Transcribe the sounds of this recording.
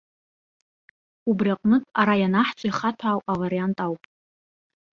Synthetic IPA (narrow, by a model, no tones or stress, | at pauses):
ubriaqʼnɨkʼaɾajanaħt͡sʷʼaiχatʷʰaːwʔʼavaɾijantʼawpʼ